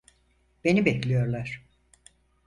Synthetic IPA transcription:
b̥e̞nibɛclʲijo̞ɾlˠaɾ̥

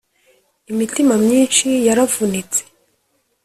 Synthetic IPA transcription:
imitimamɲiːnʃijaɾavunit͡se̥

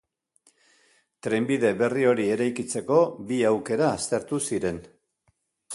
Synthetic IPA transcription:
t̪ɾe̞mbiðe̞βe̞rio̞ɾie̞ɾajkit͡se̞ko̞biawke̞ɾaːst̪e̞ɾt̪usiɾe̞n

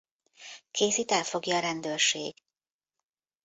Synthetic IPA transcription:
kʰeːsiːt̪ɛfo̞ɡjɒːɾɛnd̪øːrʃḛːɡ̥

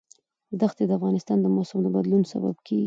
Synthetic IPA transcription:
zd̪axt̪ed̪əafɣɑnɪst̪ɑnd̪əmosʊmd̪əbad̪lunsa̰ba̰bkʰeɡi

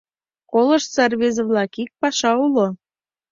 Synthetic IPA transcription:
koləʃsɑrβezəβlɑkik̚pɑʃɑulo

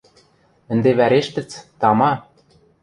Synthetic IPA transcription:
ɘ̆nd̪eβæɾeʃt̪ɘ̆t͡st̪ɑmɑ

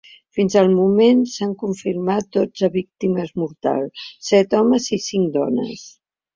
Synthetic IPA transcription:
finzəlˠmumensaŋkuɱfiɾmat̪̚d̪od͡zəβik̚t̪iməzmuɾt̪a̰lˠsɛt̪ɔməzisiŋd̪ɔnə̰s

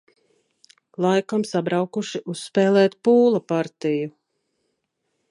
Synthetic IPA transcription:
lˠajkamsabɾawkuʃiʔusːpɛːlˠɛːt̪puːlˠapaɾt̪iju

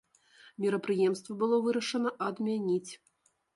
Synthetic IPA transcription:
mʲiɾɐpɾɨjɛmst̪vɐbɨlˠɔvɨɾɐʂɐnɐʔɐd̪mʲanʲit͡sʲ

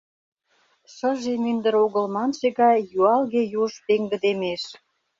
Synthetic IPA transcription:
ʃə̆ʒemynd̪ə̆ɾoɣəlmɑnʃeɣɑjjuɑlɣejuʃpeŋɡə̆d̪emeʃ

